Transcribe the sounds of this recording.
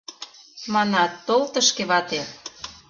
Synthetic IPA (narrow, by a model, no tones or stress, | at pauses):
mɑnɑt̪ːolt̪ə̆ʃkeβɑt̪e